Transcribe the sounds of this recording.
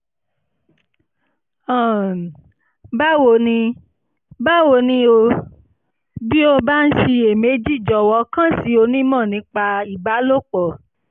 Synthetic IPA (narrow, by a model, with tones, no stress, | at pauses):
ɔ̃˦˨ | ba˦wo˧˨nĩ˧ | ba˦wo˧˨nĩ˧o˧ | bi˦o˧ba˦n̩˦ʃi˧e˨me˨˦d͡ʒi˦˨d͡ʒɔ˨wɔ˧kã˦si˨˦o˧nĩ˦mɔ̃˦˨nĩ˧˦k͡pa˧i˨ba˨˦lo˦˨k͡pɔ˨